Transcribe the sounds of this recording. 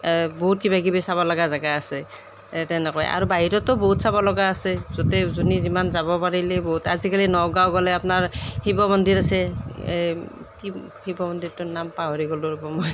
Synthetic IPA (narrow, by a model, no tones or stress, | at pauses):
boɦut̚kibaɡibɔsabɔlaɡazaɡaːsɛ | tɛnɛkɔja̰ɹubaɦiɾɔtɔbɔɦutsabɔlɔɡaːsɛzɔtɛzunizimanzabɔpaɹilɛboɦutazikalinɔɡawɡɔlɛapnaɹhibɔmɔndiɹasɛ | kihibɔbɔnd̪iɹtʊnampaɦoɹiɡɔluɹɛbɔmɔj